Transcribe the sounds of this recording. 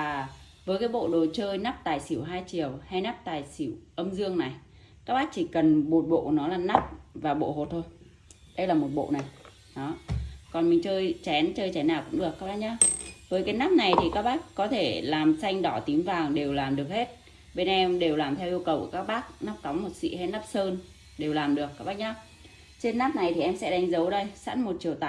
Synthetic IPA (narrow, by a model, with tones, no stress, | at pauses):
aː˨˩ | vəː˨˦jkaː˨˦jɓo̰˧˨ɗo˨˩t͡ɕəː˧jna˦˥p̚t̪aː˨˩jsi˧˩əwɦaː˧jt͡ɕi˨˩əwha˧jna˦˥p̚t̪aː˨˩jsi˧˩wʔə˧mzɨ˧əŋna˨˩j | kaː˦˥k̚ɓaː˦˥k̚t͡ɕi˧˩kə˨˩nɓo˨˩t̚ɓo̰˧˨nɔ˨˦laː˨˩na˦˥p̚vaː˨˩ɓo̰˧˨ho˨˩t̚t̪ʰo˧j | ɗə˧jlaː˨˩mo˨˩t̚ɓo̰˧˨na˨˩j | ɗɔ˨˦kɔ˨˩nmï˨˩ŋ̟t͡ɕəː˧jt͡ɕɛ˨˦nt͡ɕəː˧jt͡ɕɛ˨˦nːaː˨˩wkʊ̰˧˥ŋ͡mɗɨ˨˩əkːaː˦˥kɓaː˦˥k̚ɲaː˧vəː˨˦jkaː˨˦jnaː˦˥p̚na˨˩jt̪ʰi˨˩kaː˦˥k̚ɓaː˦˥kkɔ˨˦t̪ʰe˧˩laː˨˩msa˧jŋ̟ɗɔ˧˩t̪i˨˦mvaː˨˩wɗe˨˩wlaː˨˩mɗɨ˨˩ək̚he˦˥t̚ | ɓe˧nʔɛ˧mɗe˨˩wlaː˨˩mt̪ʰɛ˧wʔi˧əwkə˨˩wkːkaː˦˥k̚ɓaː˦˥k̚na˦˥p̚ka˨˦wmo˨˩t̚sḭ˧˨ha˧˦jna˦˥p̚səː˧n | ɗe˨˩wlaː˨˩mɗɨ˨˩ək̚ːaː˦˥k̚ɓaː˦˥k̚ɲa˧ | t͡ɕe˧nːaː˦˥p̚na˨˩jt̪ʰi˨˩ʔɛ˧msɛ̰˧˥ɗa˨˦ŋ̟zə˨˦wɗə˧jsa̰˧˥nmo˨˩t̚t͡ɕi˨˩əwt̪aː˧